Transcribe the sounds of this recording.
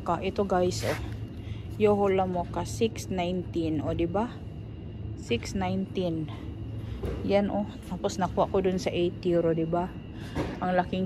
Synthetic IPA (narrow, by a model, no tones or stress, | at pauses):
kaʔɪt̪oɡajsʔo | joɦolamokasɪksnajnt̪ɪnod̪ɪba | sɪksnajnt̪in | janʔot̪aːposnɐkuwaʔkod̪ʊnsɐʔejt̪iɾod̪ɪba | ʔaŋlakɪŋ